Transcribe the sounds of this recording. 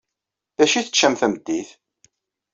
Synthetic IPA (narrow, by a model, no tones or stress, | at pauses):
θæʃiθə̥t͡ʃːæmθæmd̪ːiθ